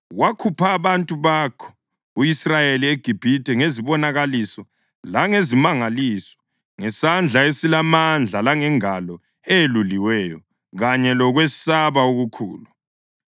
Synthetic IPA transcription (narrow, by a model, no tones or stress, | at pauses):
wakʰupʰaːβantʼuβakʰɔ̥ | uisrajelieɡ̥ʱib̥ʱitʼɛŋeziβɔnaɣalisɔ | laŋezimaŋaliːsɔ̥ | ŋɛsand͡ɮʱaesilamand͡ɮʱalaŋɛŋalɔ | eeluliwɛːjɔ | ɣaɲɛlɔɣwɛsaβaoɣukʰṵːlu